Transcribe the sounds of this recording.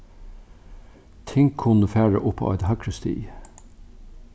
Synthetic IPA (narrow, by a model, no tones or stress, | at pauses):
t̪ʰɪŋkʰːʊnəfæːɹə̰ʔʊpʰːɑ̰ʔɑ̰ɪd̪hækʰɹəst̪ḭː